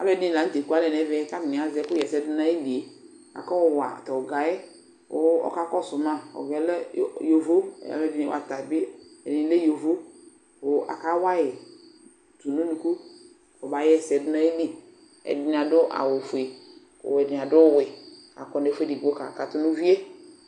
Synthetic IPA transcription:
a̰˨lɛ˨˦˨dɪ˦˨la˨n̩˦te˨ku˦a˨˦lɛ˨nɛ˨˦vɛ˦ka˦tɪ˨ni˨a˨zɛ˨˦kʊ˦˨ɛ˨sɛ˨˦dʊ˦na˦i˦li˨e˨ | a̰˨kɔ˦˨wa̰˨tɔ˨ɡa˨jɛ˦ | ʊ̰˦ɔ̰˨ka˦kɔ˦˨sʊ˨ma˦ɔ̰˨ɡɛ˨ljo˨vo̰˦˨a̰˨˦lɛ˦vi˦n˨wa̰˨ta˨bɪ˦ɛ˨dɪ˨˦le˦jo˨vo˦ | ʊ˨ʔa̰˨ka˦wa˦jɛ˨ | tu˨nu˦lu˨ku˦ | ɔ˨ba˨jɛ˦˨sɛ˨dʊ˦na˦i˦li˨ | ɛ̰˨dɪ˨n˨a˨dʊ˦ʔa̰˨wʊ˨fu˨e˨ | kʊ̰˨wɛ˨dɪ˨a˨dʊ˦wɪ˨ | a̰˨kɔ˦nɛ˨fe˦di˨ɡo˦ka̰˨ka˨tʊ˦nu˦vi˦e˦

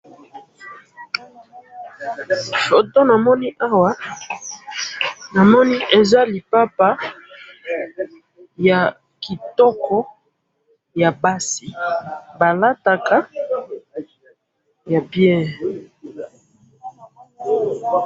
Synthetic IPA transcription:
fo˨to˦na˨mɔ˦ni˦ʔa˦wa˦ | na˨mɔ˦ni˦ʔe˨za˦li˨pa˦pa˦ | ja˨ | ki˨tɔ˦kɔ˦ | ja˨ba˦si˨ba˨la˦ta˨ka˦ | ja˨pjɛ˦˨

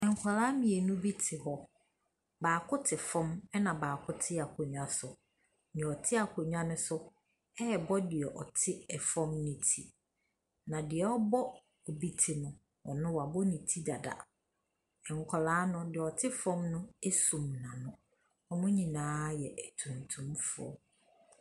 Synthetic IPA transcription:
ɛ̃˨ŋ˨kʰɔ˨laː˦mĩ˨e˨nʊ̃˦bi˦tʰɪ˨ɦɔ˦ | baː˨kʰʊ˦tʰɪ˨fɔ̃˦mɛ˦nã˨baː˨kʰʊ˦tʰɪ˦a˨kʰʊ˨ɲũ˦a˦sʊ˨ | ɲɛ̃˨ɔ˨tʰɪ˦a˨kʰo˨ɲᶣ˦ã˦nʊ̃˦sʊ˦ | ɛ˦ɛ˨bɔ˦dɪ˨ɛ˨ʔɔ˨tʰɪ˦ɛ˨fɔ̃˦mnĩ˨tʰi˨ | nã˨dɪ˨ɛ˨ɔ˦bɔ˦ | o˨bi˦tʰi˨nʊ̃˨ | ɔ̰˨nʊ̃˦wa˨bɔ˦nĩ˨tʰi˦da˨da̰˨ | ɛ˨ŋ̩˨kʰɔ˨laː˨˦nʊ̃˦dɪ˨ɛ˨ɔ˨tʰɪ˦fɔ̃˦mnʊ̃˦e˦sũ˨mnã˨nʊ̃˦ | ɔ˨nʊ̃˦ɲĩ˨nãː˦jɛ˨ʔæ˨tʰũ˨n˨tʰũ˦mfʊ˦ɔ̰˦

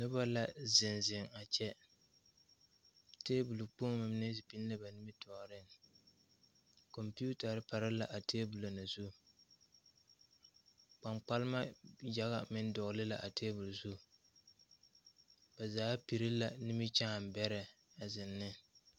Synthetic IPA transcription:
nʊ˦ba˦la˨zɪ˨nzɪ˨ŋa˨t͡ʃɛ˦ | teː˦bu˨lu˨k͡po˦ŋ˦ma˨m˦ne˦si˨pi˦n˦la˦ba˨nɪ˦mɪ˦tʰɔ˨ʔɾɪ˦ŋ | kɔ˨mpi˦u˦ta˨ɾɪ˦pa˨ɾɪ˦la˨ʔa˨tʰeː˦bu˨lo˨na˨zu˦ | k͡pa˨ŋ͡mk͡pa˦lma˦ja˨ɣa̰˨mɪ˦n˦dɔ˨ʔlɪ˦la̰˨ʔa˨teː˦bu˨lzu˦˨ | ba˨zaː˨˦pi˨ɾɪ˦la˨nɪ˦mɪ˦t͡ʃa˦˨m˨bɛ˦ɾɛ˨ | a˨zɪ˨nːɪ˦

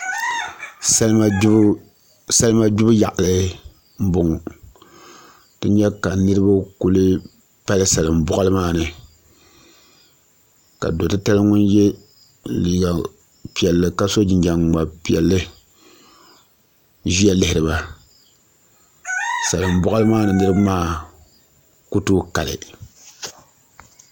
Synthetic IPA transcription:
sa˦lma˦ | sa˦lɨ˦ma˦d͡ʒʊ˦bja˨ʔa˨lɨ˨˦ | m̩˦bʊ˨ŋ˨ | tɨ˦ɲɛ˦ka˨nɨ˦ɾɨ˦ba˦ku˦lɨ˦ | pa˦lɨ˦sa˨lɨ˨m̩˨bʊ˦ʔa˦lɨ˦maː˦˨nɨ˨ | ka̰˨do˨tɨ˦ta˦lɨ˦ŋʊ˦nje˦ | liː˨ɡa˨ | pi˨ɛ˨lːɨ˨ka˦so˦d͡ʒɪ˨ɲd͡ʒa˨ŋ˨ɡ͡ba˨pi˨ɛ˨lːɨ˦ | ʒi˦a˦lɪ˦hɪ˨ɾɨ˨ba˨ | sa˨lɨ˨m˨bɔ˦ʔa˦lɨ˦maː˦nɨ˨nɨ˦ɾɨ˦bmaː˦ | ku˦tuː˦ka˨lɨ̰˨

